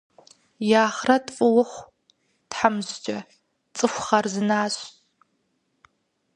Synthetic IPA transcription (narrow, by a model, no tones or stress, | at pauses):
jaːχrɐtfʼʊwʊχʷ | tħamzd͡ʒʼɐ | t͡sʼɨxʷχɐrzɨnaːɕ